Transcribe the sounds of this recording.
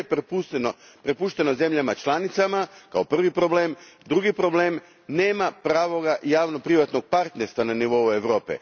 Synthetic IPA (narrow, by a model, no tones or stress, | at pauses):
pput̪no | pɾe̞puʃt̪e̞no̞ze̞mʎamat͡ʃlanit̪samakao̞pr̩ʋipɾo̞ble̞ːmd̪ɾuɡipɾo̞ble̞ːm | neːmapɾaːʋo̞ɡaʔjaːʋno̞pɾiʋat̪no̞ɡ̚paɾt̪neɾst̪ʋananiʋo̞ue̞ʋɾo̞ːpḛ